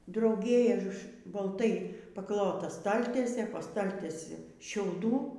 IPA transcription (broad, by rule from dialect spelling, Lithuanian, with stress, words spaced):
drɐʊˈɡʲeː bɐlˠˈtɐɪ pɐˈklˠoːtɐ ˈstɐlʲtʲiɛsʲeː poː ˈstɐlʲtʲiɛsʲɪ ʃʲɛʊˈduː